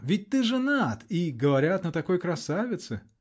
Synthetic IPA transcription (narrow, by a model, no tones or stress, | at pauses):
vʲɪt̚ʲt̪ɨʐɨnat̪iɡəvɐɾʲat̪nət̪ɐko̞jkɾɐsavʲɪt̪sɨ